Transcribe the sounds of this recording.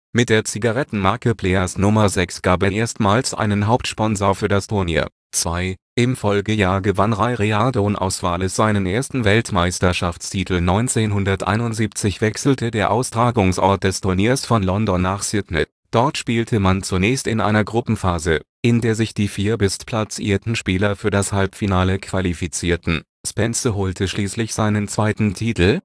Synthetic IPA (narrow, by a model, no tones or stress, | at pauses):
mɪt̚d̥eːɐt͡siɡaʁɛtn̩maɐkəpʰl̥ɛɐsnʊmɐzɛksɡ̥aːp̬ɛʔeːɐstmaːlsʔa̰ɪnənɦaʊp̚tʃpɔnzoːɐfyːɐdastʰʊɐnḭːɐ | t͡sv̥aɪʔɪmfɔlɡəjaːɐɡəvanʁaɪʁeadonʔa̰ʊsv̥aːləsz̥aɪnənʔeːɐstn̩vɛltmaɪstɐʃaft͡stʰiːtʰl̩nɔʏnt͡seːnɦʊndɐtʔa̰ɪnʊntz̥iːp̚t͡sɪçv̥ɛksl̩tədeːɐʔaʊstʁ̥aːɡʊŋsʔɔɐt̚d̥ɛstʰʊɐniːɐsfɔnlɔndɔnːaːχsɪtnə | d̥ɔɐtʃpiːltʰəmant͡sunɛːçstɪnʔa̰ɪnɐɡʁʊpm̩faːzə | ʔɪndeːɐzɪçd̥iːfiːɐbɪstpʰl̥at͡sḭːɐtn̩ʃpiːlɐfyːɐɾdashalpfinaːləkv̥alifit͡siːɐtn̩ | spɛnsəɦoːltʰəʃliːslɪçz̥aɪnənt͡sv̥aɪtn̩tʰiːtl̩